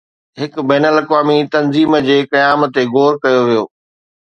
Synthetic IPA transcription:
ɦɪkbɛːnəlɐkʋaːmit̪ɐnziːmd͡ʑeːkɐjaːmt̪eɡoːɾkɐjoʋijoː

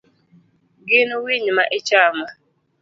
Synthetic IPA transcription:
ɡɪnʊwiɲimaʔɪt͡ʃama

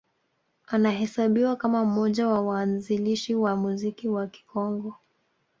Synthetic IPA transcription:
anaɦɛsaɓiwakamam̩mɔʄawawaːnziliʃiwamuzikiwaki̥kɔŋɡɔ

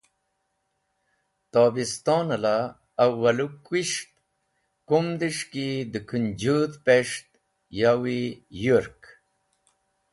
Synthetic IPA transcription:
t̪aːbist̪ɑːnɐlaː | wːɐlukwiʂt̪̚ | kumd̪iʂkid̪əkʰund͡ʑut̪peʂt̪̚ | jawijuɾk

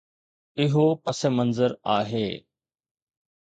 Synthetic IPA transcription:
ɪɦoːpəsemənzəɾaːɦeː

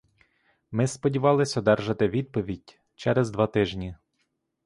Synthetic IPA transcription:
mɪspɔdʲiʋɑlˠɪsʲɔd̪ɛrʒɐt̪ɪʋʲid̪̚pɔʋʲidʲ | t͡ʃɛɾɛzd̪ʋɑt̪ɪʒnʲi

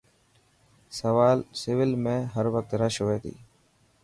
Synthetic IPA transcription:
səʋaːlsɪʋɪlmẽːɦəɾʋək̚t̪ɾəʃɦoːeːt̪ḭː

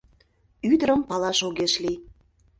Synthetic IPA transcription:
yd̪əɾəmpɑlɑʃoɣeʃli

